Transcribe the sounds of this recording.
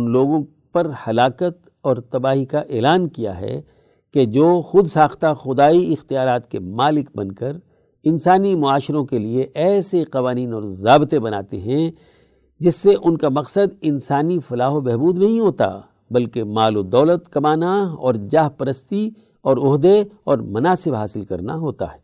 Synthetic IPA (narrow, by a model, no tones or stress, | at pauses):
ʊnloːɡõ | pɐɾhɐlaːkət̪ | ɔːɾt̪ɐbaːɦikaʔeːlaːnkija̰ɦɛ̰ | ked͡ʒoːxʊd̪saːxt̪axʊd̪aːiɪxt̪ijaːɾaːt̪kemaːlɪkbɐ̰̃nkəɾ | ɪnsaːnimʊaːʃɪɾõkelieʔɛːseqɐʋaːniːnɔːɾzaːbt̪ebɐna̰ːt̪eɦɛ̃ | d͡ʒɪsːeʔʊnkamɐqsəd̪ɪnsaːnifɐlaːɦobɛɦbuːd̪nɐɦĩɦoːt̪a̰ | bɐlkemaːlod̪ɐːlət̪kɐmaːnaɔ̰ːɾd͡ʒaːɦpɐɾəst̪i | ɔːɾʊɦd̪eɔːɾmɐnaːsɪbɦaːsɪlkɐ̰ɾnaɦoːt̪a̰ɦɛː